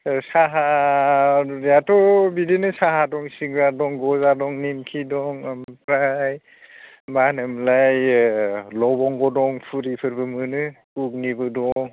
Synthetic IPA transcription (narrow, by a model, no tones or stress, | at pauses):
saɦa | jatʰɔbidinɯsaɦadɔŋsiɡadɔŋɡɔzadɔŋnimkʰidɔŋmpɾaj | manɯmlaj | lɔbɔŋɡɔdɔŋpʰuɾipʰɯɾbɯmɯnɯkuk̚nibɯdɔŋ